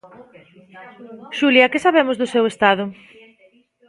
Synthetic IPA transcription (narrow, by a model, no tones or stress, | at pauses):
ʃuljɐkɪsaβ̞emʊzðʊsewest̪aðʊ